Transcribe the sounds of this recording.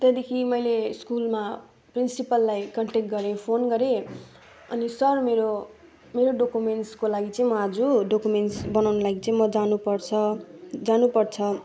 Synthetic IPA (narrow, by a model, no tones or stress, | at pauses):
t̪ed̪ekʰimʌjleskulma | prinsipʌlːajkʌɳʈek̚ɡʌɾepʰonɡʌɾe | ʌnisʌrmeɾo | meɾoɖokumeɳʈskolaɡit͡saĩmʌad͡zuɖokumenʈsbʌnawnolaɡit͡sãĩmʌd͡zanupʌrt͡sʰʌd͡zanupʌrt͡sʰʌ